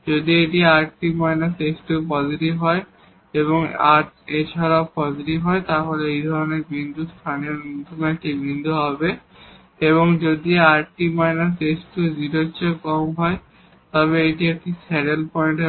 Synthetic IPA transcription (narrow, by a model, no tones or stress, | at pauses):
d͡ʑod̪ieʈiaɾʈimajnasesʈupɔd͡ʑiʈibɦɔe | eβoŋa̰ʈet͡ɕʰaɾaopɔd͡ʑiʈibɦɔet̪aɦoleejd̪ʱɔɾoneɾbind̪ʱust̪ʰanionot̪ʰunaʈibind̪ʱuɦɔbe | eβoŋd͡ʑod̪iaɾʈimajnasesʈud͡ʑiɾotːɕʰokɔmɦɔe | t̪ɔβeeʈiek̚ʈisɛɖelpɔeɳʈ